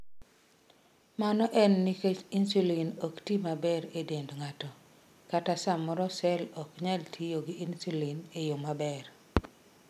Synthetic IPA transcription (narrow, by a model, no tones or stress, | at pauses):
manɔʔɛnːiket͡ʃinsulinɔktimabɛɾedendŋatɔ | katasamɔɾɔsɛlɔkɲaltʰijoɡiinsulinejomabɛr